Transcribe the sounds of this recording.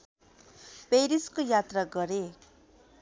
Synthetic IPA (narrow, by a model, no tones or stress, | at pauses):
pejɾiskojat̪raɡʌɾe